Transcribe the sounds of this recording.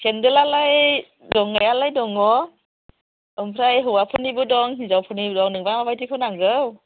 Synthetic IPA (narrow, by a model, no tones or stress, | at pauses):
kʰendɯlalaj | dɔŋajalajdɔŋɔ | ɯmpʰɾajɦɯwapʰɯnibɯdɔŋɦizawpʰɯnibdɔŋnɯŋbaŋmabajtʰikʰɯnaŋzɯw